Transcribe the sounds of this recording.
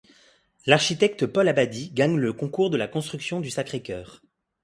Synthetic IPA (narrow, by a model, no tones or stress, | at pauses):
laʁʃit̪ɛk̚t̪pɔlabad̪iɡaɲləkɔ̃kuʁd̪əlakɔ̃st̪χyksjɔ̃d̪ysakχekʲœːʁ